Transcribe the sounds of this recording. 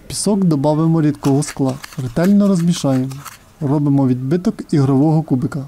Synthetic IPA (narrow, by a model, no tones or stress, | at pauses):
pʲi̥sɔkd̪ɔbɑʋɪmɔɾʲid̪kɔɦɔsklˠɑrɪt̪ɛlʲnɔɾɔzmʲiʃɑjemɔ | rɔbɪmɔʋʲid̪bɪt̪ɔkiɦɾɔʋɔɦɔkubɪkɐ